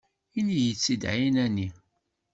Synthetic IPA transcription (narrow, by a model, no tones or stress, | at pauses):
inijət͡sːid̪ʕjnæni